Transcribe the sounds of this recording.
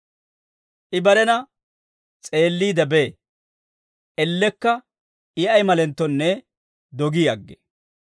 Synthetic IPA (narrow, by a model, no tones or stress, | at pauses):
ʔɪbɐɾɛnɐ | t͡sʼe̞ːlːiːd̪ɐbe | ʔɛlːɛkːɐ | ɪɐjmɐlɛnt̪ːɔnːɛ | d̪ɔɡiːɐɡːɛ̥